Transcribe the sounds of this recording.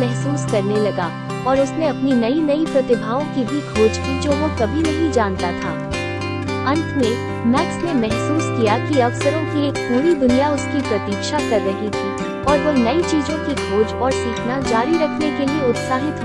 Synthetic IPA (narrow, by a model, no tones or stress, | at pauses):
mɛɦsuːskɐɾnelɐɡa | ɔːɾʊsneɐpninɐinɐipɾɐt̪ɪbʱaːõkibʱiɡʰʱoːd͡ʒkid͡ʒoːʋokɐbʱinɐɦĩd͡ʒaːnt̪at̪ʰa̰ː | ɐ̃nt̪ʰme | mɛːksnemɛɦsuːskijakiɐʋsəɾõkieːk̚puːɾid̪ʊnijaʊskipɾɐt̪iːkʃakɐɾːɐɦit̪ʰiː | ɔːɾʋonɐit͡ʃiːzõkiɡʰʱoːd͡ʒɔːɾsiːkʰnad͡ʒaːɾiɾɐkʰnekelieʊt̪saːɦɪt̪